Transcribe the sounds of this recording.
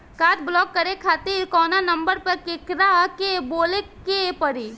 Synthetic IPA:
kaːʈblɔːkːəɾekʰaːt̪iːɾkɔːnanɐmbəɾpɐɾkekɾakeboːlekepəɾi

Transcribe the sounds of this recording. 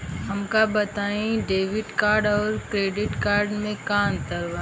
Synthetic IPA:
ɦɐmkabɐt̪aːĩɖeːʋɪʈkaːɾɖɔːɾkɾeːɖɪʈkaːɾɖmẽkaːnt̪ɐɾʋa

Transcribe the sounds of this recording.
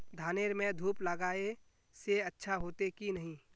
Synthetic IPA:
d̪ʱaːneɾmẽd̪ʱuːpləɡaːe | seətːʃʰaɦoːt̪ekinəɦĩ

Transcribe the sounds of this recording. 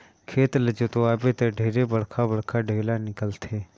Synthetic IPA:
kʰeːt̪ləd͡ʒot̪oaːbet̪eɖʱeːɾebəɽkʰabəɽkʰaɖʱeːlanɪkəlt̪ʰeː

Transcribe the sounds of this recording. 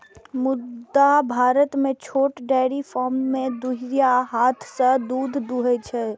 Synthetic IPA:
mud̪ːabʱaɾət̪met͡ʃʰoʈɖɛɽipʰɔmmed̪uɦiɾijaɦat̪ʰsə̃d̪ud̪ʱd̪uɦɛt͡ʃʰɛ

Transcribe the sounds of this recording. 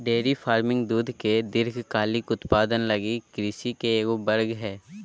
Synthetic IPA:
ɖeːɾifʰaːɾmɪ̃ŋɡd̪uːd̪ʱked̪ɪɾkʰkaːlɪkʊt̪paːd̪ənlɐɡikɾɪsikeːkobɐɾɡɦɛː

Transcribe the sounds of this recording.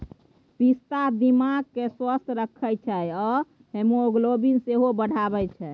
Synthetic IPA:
pist̪ad̪imaɡ̚keswəst̪ʰɾəkʰːəjt͡ʃʰɛɔ | ɦemooɡlobinseɦobəɽ̤ʱabɛt͡ʃʰɛ

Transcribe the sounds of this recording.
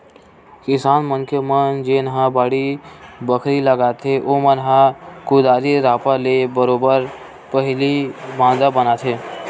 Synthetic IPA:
kɪsaːnmənkemənd͡ʒenɦãbaːɽibəkʰɾiləɡaːt̪ʰeʔomənɦãkʊd̪aːɾiɾaːpalebəɾoːbəɾ | pəɦɪlibãːnd̪abənat̪ʰeː

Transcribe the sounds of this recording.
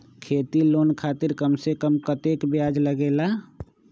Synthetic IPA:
kʰeːt̪iloːnkʰaːt̪ɪɾkəmsekəmkət̪eːkbɪjaːd͡ʒləɡeːla

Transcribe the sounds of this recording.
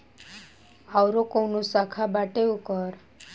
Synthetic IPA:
awɾokownusakʰabaʈeukəɾ

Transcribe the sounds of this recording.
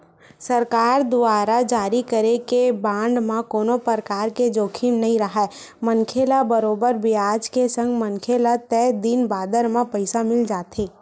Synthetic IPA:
səɾkaːɾd̪ʊaːɾad͡ʒaːɾikəɾekebãːɳɖmãkoːnopəɾkaːɾked͡ʒoːkʰinnɐɦĩɾɐɦaɛ | mənkʰeːlabəɾoːbəɾbʱiaːd͡ʒkesə̃ŋɡmənkʰelat̪ɛːd̪ɪnbaːd̪əɾmãpəɪsamɪld͡ʒaːt̪ʰeː

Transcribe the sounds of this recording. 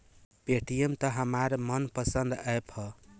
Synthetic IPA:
peʈijemt̪əɦəmaɾmənpəsənd̪əephʌ

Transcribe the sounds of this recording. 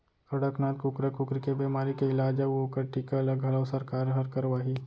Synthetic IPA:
kɐɽəknaːt̪kukɾakʊkɾikebeːmaːɾikeɪlaːd͡ʒaokəɾʈikaɐləɡɦɐləwsɐɾkaːɾɦɐɾkəɾʋaːɦi

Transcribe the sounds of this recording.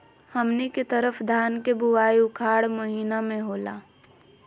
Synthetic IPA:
hɐmniket̪əɾəfʰd̪ʱaːnkebʊwaːiʊkʰaːɽməɦiːnamẽɦoːla̰ː

